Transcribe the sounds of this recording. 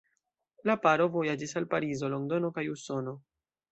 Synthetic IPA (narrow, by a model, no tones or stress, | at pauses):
lapaɾovo̞jad͡ʒisalpaɾizo̞lo̞ŋdo̞no̞kajuso̞no̞